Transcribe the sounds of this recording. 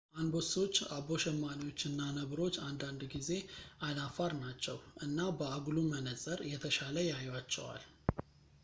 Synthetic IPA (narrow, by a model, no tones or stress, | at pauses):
ʔanbo̞so̞t͡ʃːaβo̞ʃɛmːaniwo̞t͡ʃːɨnːanəβɾo̞t͡ʃːand̪and̪ɡize̞ʔalafaɾnat͡ʃːɛwʔɨnːabəaɡulumənəsʼəɾjɛt̪ʰəʃaləjajwat͡ʃːɛ̰wa̰l